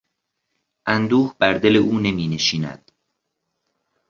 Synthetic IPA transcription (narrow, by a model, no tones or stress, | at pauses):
ʔænd̪uːhbæɾd̪e̞le̞ʔuːne̞miːne̞ʃiːnæ̰d̪̥